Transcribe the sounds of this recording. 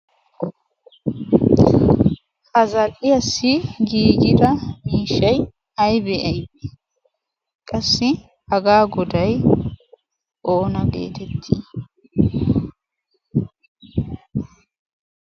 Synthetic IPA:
hɐzɐlʼɪjɐsːɪɡiːɡɪd̪ɐmiːʃɐj | ɐjbɛʔɐjde | kʼɐsːɪ | hɐɡaːɡɔd̪ɐj | ʔoːnɐɡḛːt̪ɛt̪ʰːi

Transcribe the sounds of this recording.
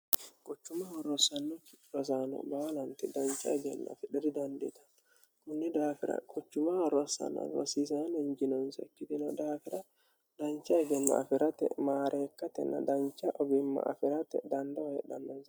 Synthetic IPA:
kʼɔt͡ʃːʊmɐhɐɾɔsɐnːɔkɪɾɔs̬anɔ̰bɐwɐlɐnt̪ɛd̪ɐnt͡ʃːɐ̰ɛd͡ʒɛnːɐ̰fɪᶑɛɾɪd̪ɐnd̪ɛ̰t̪ɐ̥n | kʊnːɛd̪aːfɪɾɐ̰kʼɔt͡ʃːʊmawɐɾɔsːɐ̰nɐ̰ɾɔ̰siːsaːnɐɪɲd͡ʒɪnɔnsɐkːɪt̪ɪnɔd̪aːfɪɾɐ | d̪̥ɐnt͡ʃːɐɛd͡ʒɛnːɐ̰ʔɐ̰fɪɾɐt̪ɛ̰maːɾʔeːkːɐt̪ɛ̰nːɐ̰d̪ɐnt͡ʃːɐʔɔbɪmːɐ̰ʔːfɪɾɐt̪ɛ̰d̪ɐnd̪ɐwɐjɛᶑɐnːɔnsɐ

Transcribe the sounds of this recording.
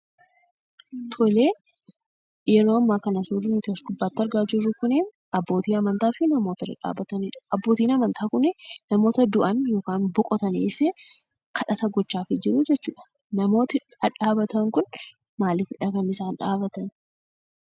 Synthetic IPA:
t̪ʰɔleː | jɛɾo̞ːɐmːaːkɐnɐsuːdɪnɪt̪ɪɔsɡʊbːaːt̪ːɐɾɡaːd͡ʒɪrːʊkʊnen | ɐbːo̞ːt̪iːɐmɐnt̪aːfɪnɐmoːt̪ɐrɐ̰ᶑa̰ːbɐt̪ɐniːᶑɐ̥ɐbːo̞ːt̪iːnɐmɐnt̪ʰaːkʊnɛnɐmo̞ːt̪ɐd̪ʊʔɐnjo̞ːkaːnbɔkʼɔt̪ɐniːfɪ | kʰɐᶑɐt̪ɐɡɔt͡ʃːaːfɪd͡ʒɪɾʊd͡ʒɛt͡ʃːuːᶑɐ̥ | nɐmo̞ːt̪ɪ | ɐᶑaːbɐt̪ɐŋkʊn | maːlɪfɪᶑɐkɐnɪsaːnᶑaːbɐt̪ɐn

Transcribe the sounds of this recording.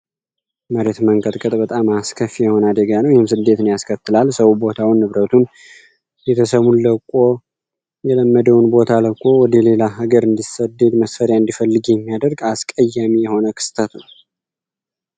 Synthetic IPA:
məɾe̞t̪məŋɡət̪ʼkʼət̪ʼbət̪ʼamaskʰəfːijɛho̞nəad̪əɡanəwjɛhɪmsɨd̪ːe̞t̪ɨnjaskʰət̪ːɨlalsəwubo̞t̪ʰawinːɨβɾət̪ʰun | jɛt̪ʰəsəmunləkʼːo̞ | jɛləmːəd̪əwunbo̞t̪ʰaləkʼo̞wɔd̪əle̞laɦaɡəɾɨnd̪isəd̪e̞d̪məsfəɾjaɨnd̪ifəlːɨɡjɛmːijad̪əɾɡaskʼəjːamijɛho̞nəkʰɨ̥st̪ʰət̪nəw

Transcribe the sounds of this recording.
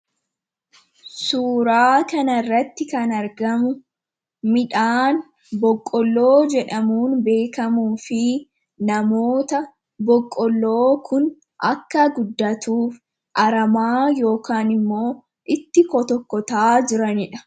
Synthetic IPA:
suːɾaːkɐnɐrːɐt̪ːɪkɐnɐɾɡɐmʊ | mɪᶑaːn | bɔkʼːɔlːo̞ːd͡ʒɛᶑɐmuːnbe̞ːkɐmuːfɪ | nɐmo̞ːt̪ɐ | bɔkʼːɔlːo̞ːkʰʊn | ʔɐ̰kːɐɡʊd̪ːɐt̪uːf | ʔɐɾɐmaːjo̞ːkaːnɪmːo̞ː | ʔɪt̪ːɪkɔt̪ɔkːɔt̪aːd͡ʒɪɾɐnɪᶑɐ̥

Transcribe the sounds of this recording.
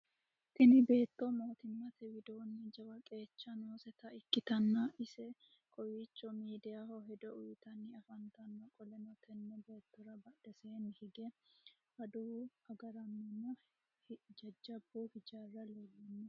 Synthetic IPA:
k̪ɪnɪbe̞ːt̪ːɔmoːt̪ɪmːɐt̪ɛwɪd̪oːnːɪd͡ʒɐwɐkʼe̞ːt͡ʃːɐnoːsɛt̪ɐɪkːɪt̪ɐnːɐʔɪsɛ | kʼɔjit͡ʃːɔmiːd̪ɪjahɔɦɛd̪ɔʔʊjɪt̪ɐnːɪɐfɐnt̪ɐnːɔkʼɔlɛnɔt̪ʰɛnːɔbe̞ːt̪ːɔɾɐbɐd̪̥ɐseːnːɪhɪɡɛ | ʔɐd̪uɐɡɐɾɐnːɛmːɔ | d͡ʒɐd͡ʒːɐbuːhɪd͡ʒarːɐlɔlːɪnːɛ

